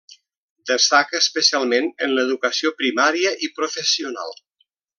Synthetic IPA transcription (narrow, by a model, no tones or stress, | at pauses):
d̪əst̪akəːspəsialˠmenənləðukəsiopɾimaɾiəʔipɾofəsiuna̰lˠ